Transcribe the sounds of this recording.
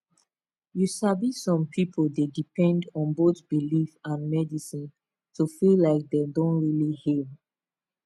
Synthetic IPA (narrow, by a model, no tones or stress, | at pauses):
jusabisɔ̃mpʰipʰolˠdedipʰɛ̃ndɔ̃nbotbilifãnmɛdisĩn | tʰufillaɪk̚dedõnɹilihi